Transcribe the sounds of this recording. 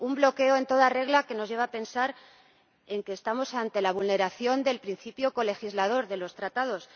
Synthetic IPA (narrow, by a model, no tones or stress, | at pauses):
umblo̞ke̞oe̞nt̪o̞ðare̞ɣlake̞no̞zʝe̞βaːpe̞nsaɾ | e̞ŋkeːst̪amo̞sant̪e̞laβ̞ulne̞ɾaθjo̞nd̪e̞lpɾin̟θipjoko̞le̞xizlað̞o̞ɾðe̞lo̞st̪ɾat̪að̞o̞s